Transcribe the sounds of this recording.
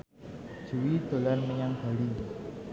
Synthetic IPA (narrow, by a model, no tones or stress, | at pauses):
d͡ʒ̥uwit̪o̤lanməjaŋb̥a̤ɽi